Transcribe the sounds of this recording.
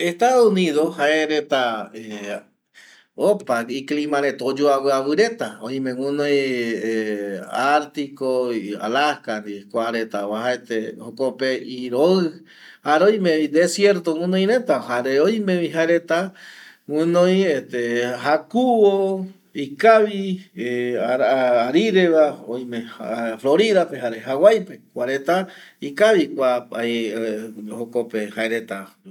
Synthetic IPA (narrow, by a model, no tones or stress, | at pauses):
eht̪aðouniðohaeɾet̪ae | opakiklĩmãɾet̪od͡ʒoaβɨawɨɾe̞t̪aoj̃mẽwɨ̃nõj | aɾt̪ikoa̰lahkanikʷaɾet̪aβahaet̪ehokopeiɾoɨ | haɾeoj̃mẽid̪esjeɾt̪oŋɨ̃nõj̃ɾe̞t̪aɦaɾeojmẽβiɦaeɾet̪a | wɨ̃nõj̃et̪eɦakuβo | ikaβi | aɾiɾeβaoj̃mẽfloɾiðapeɦaɾeɦawajpekʷaɾet̪aikaβikʷa | hokopehaeɾet̪a